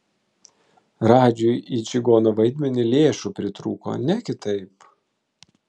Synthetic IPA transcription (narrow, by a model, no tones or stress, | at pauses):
ɾɑːd͡ʒʲʊjid͡ʒʲɪɡoːnoːʋɐɪd̪ʲmʲɛnʲɪlʲeːʃʊpʲɾʲɪt̪ɾuːko̰ːnʲɛkʲɪt̪ɐɪp